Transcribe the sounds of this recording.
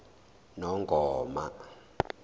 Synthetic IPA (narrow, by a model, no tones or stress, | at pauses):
nɔŋɡʱɔːma̰